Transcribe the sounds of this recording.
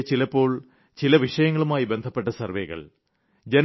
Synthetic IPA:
t͡ɕilɐpːo̞ːɭ | t͡ɕilɐʋiʂɐjɐŋːɐɭumaːjibe̞nd̪ʱɐpːe̞ʈːɐsɐrʋeːɣɐ̰ɭ | d͡ʑen

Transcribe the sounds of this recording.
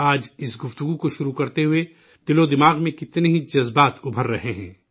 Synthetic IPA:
aːd͡ʒɪsɡʊft̪ʊɡukoʃʊɾukɐɾt̪eɦʊe | d̪̥ɪlod̪ɪmaːɣmẽkɪt̪neɦid͡ʒɐzbaːt̪ʊbʱəɾːɐɦeɦɛ̰̃ː

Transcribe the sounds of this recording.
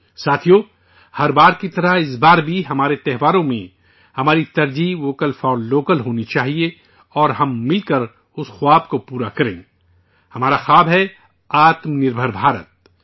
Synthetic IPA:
saːt̪ʰijoː | hɐɾbaːɾkit̪ɐɾaɪs̬baːɾbʱiɦɐmaːɾet̪ɛɦʋaːɾõmẽ | hɐmaːɾit̪ɐɾd͡ʒiːʋoːkəlfɔːlloːkəlɦoːnit͡ʃaːɦie | ɔːɾɦɐmːɪlkɐɾ | ʊsxʊaːb̚kopuːɾakɐɾḛ̃ː | hɐmaːɾaxaːbɦɛ | aːt̪mnɪɾbʱəɾbʱaːɾə̰t̪̚

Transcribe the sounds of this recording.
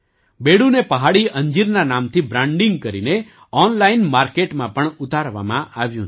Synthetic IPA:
beɽũnepəɦaɽiʔə̃ɲd͡ʒiɾnanamt̪ʰibɾãɳɖɪŋɡ̚kəɾḭne | ɔnlainmaɾkeʈmãpəɳut̪aɾʋa̰mã̰ʔaʋjũ

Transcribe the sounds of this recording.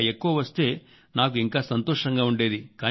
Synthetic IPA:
ekːuʋɐʋɐst̪e̞ː | naːk̬uiŋkaːsɐnt̪oːʂɐŋɡaːuɳɖe̞ːd̪ikaː

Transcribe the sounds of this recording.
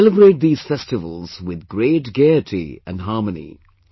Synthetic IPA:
ləbɹeʈ̚d̪iːz̥fɛstɪvə̰l̩ˠz̥wɪðɡɾeːʈɡeɪɨʈʰḭɨ̰̃nɦɑɹmənḭ

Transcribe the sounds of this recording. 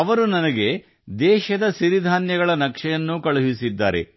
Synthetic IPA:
ɐʋɐɾunɐnɐɡe̞ | d̪ɛːʃɐd̪ɐsiɾid̪ʱaːnjɐɡɐɭɐnɐkʂɐjɐnːukɐɭuɦisid̪ːa̰ːɾe̞̰

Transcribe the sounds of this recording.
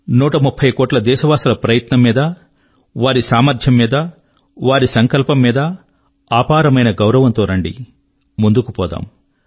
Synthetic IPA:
nuːʈɐmupʰːɐjkoːʈlɐd̪ɛːʃɐʋaːsɐlɐpɾɐjɐt̪nɐmːiːd̪ɐ | ʋaːɾisaːmɐɾd̪ʰʱjɐmːiːd̪ɐ | ʋaːɾisɐŋkɐlpɐmːiːd̪ɐ | aːpaːɾɐmɐjnɐɡɐwɾɐʋɐnt̪oːɾɐɳɖḭ | mund̪ukupɔːd̪a̰ːm

